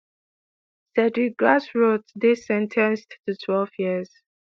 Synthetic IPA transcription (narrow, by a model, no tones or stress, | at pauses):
sɛdɹiɡasɹotðɪsɛ̃ntʰɛ̃nsttutʰwɛlvjiz̥